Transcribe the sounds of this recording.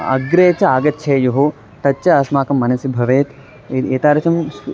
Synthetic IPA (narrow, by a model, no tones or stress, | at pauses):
ɐ̰ɡɾeːt͡ʃɐaːɡɐtːʃʰɐːjoɦo | t̪ɐtːt͡ʃɐɐsmaːkɐmːɐnɐsibʱɐʋeːt̪ | eːt̪aːɾɐt͡ʃɐms